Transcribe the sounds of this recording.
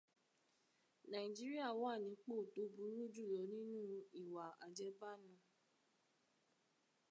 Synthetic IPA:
nã˨i˨d͡ʒi˦ɾi˦a˦˨wɔ˦a˦˨nĩ˨˧˦k͡po˦˨to˨˦bu˨˦ɾu˦d͡ʒu˦˨jɔ˨˦nĩ˦nũ˦i˨wa˨a̰˨d͡ʒɛ˨˦ba˦˨nã˧˨

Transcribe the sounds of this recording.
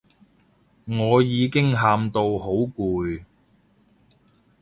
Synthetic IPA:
ŋɔː˨˧jiː˨˧kɪ˥ŋɦaː˧mt̪o˧who˨˥wkuː˨˧j

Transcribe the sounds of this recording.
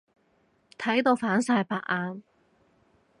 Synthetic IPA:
t̪ʰɐ˨˥jt̪o˧wfaː˨˥nsaː˧jpaː˧k̚ʔaː˧n

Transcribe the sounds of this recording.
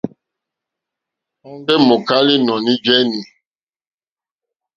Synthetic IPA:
a˦ndɛ˦mo˨ka˦li˦nɔ˨ni˦d͡ʒɛ˦ni˨

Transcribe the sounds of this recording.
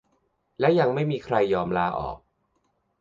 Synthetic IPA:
lɛː˦˥wja˧ŋma˥˩jmiː˧kʰɾa˧jːɔː˧mlaː˦˥ʔɔ̰ː˨˩k̚

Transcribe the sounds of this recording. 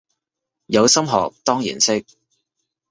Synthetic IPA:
jɐ˨˧wsɐ˥mɦɔ̰ː˨k̚t̪ɔː˥ŋjḭː˨˩nsɪ˥k̚

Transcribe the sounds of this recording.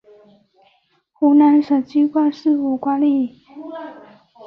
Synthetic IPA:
xu˧˥na˧˥nʂə˨˩t͡ɕy˥kwa˥˧nʂ̩˥˩u˨˩kwa˥li˥˩

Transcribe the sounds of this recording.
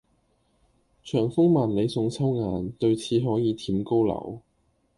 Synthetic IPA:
t͡ʃʰœː˨˩ŋfʊ˥ŋmaː˨˩nle˨˧jsʊ˧ŋt͡sʰɐ˥wŋaː˨nt̪ɵ˧ɥt͡sʰiː˨˧ɦɔː˨˥jiː˨˧t̪ʰiː˨˥mko˥wlɐ̰˨˩w

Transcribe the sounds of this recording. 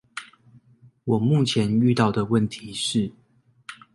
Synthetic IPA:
wɔ˨˩mu˥˨˩t͡ɕʰjɛ˨˦ny˥˧t̪ɑ˥˩ʊd̪ə˩wə˥˨nt̪ʰi˨˦ʂɻ̩˥˩

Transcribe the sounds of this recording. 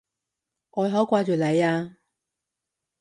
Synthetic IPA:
ʔɔː˨˧jɦɔː˨˥kʷaː˧t͡ɕyː˨lɐ˨˧jaː˧

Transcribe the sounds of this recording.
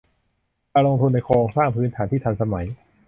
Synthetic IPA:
aː˧lo˧ŋt̪ʰu˧nːa˧jkʰoː˧ŋsaː˥˩ŋpʰɯː˦˥nt̪ʰaː˩˦nt̪ʰiː˥˩t̪ʰa˧nsa˧ma˩˦j

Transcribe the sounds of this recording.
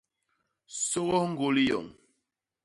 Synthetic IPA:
so˦ɣɔ˦ŋ̩˦ɡo˦li˦jɔ̰˨ŋ

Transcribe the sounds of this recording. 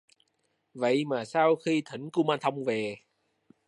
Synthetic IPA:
və̰˧˨jmaː˨˩saː˧wxi˧t̪ʰi˧˩˦ŋ̟ku˧maː˧nt̪ʰə˧wŋ͡mve˨˩

